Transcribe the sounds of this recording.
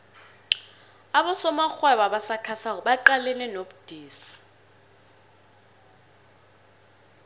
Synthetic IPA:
aɓɔsɔmaxwɛɓaɓasakʰasakɔɓaǃalɛnɛnoɓud̥ʱiːsi̥

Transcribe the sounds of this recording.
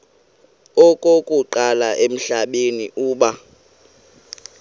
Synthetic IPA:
okʼokʼuǃalaʔem̩ɬaɓeniʔuːɓa

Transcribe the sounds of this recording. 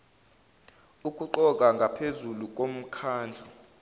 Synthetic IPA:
uk̬ʼuǃɔk̬ʼaŋɡʱapʰezuluk̬ʼom̩kʰaːnd͡ɮʱɔ

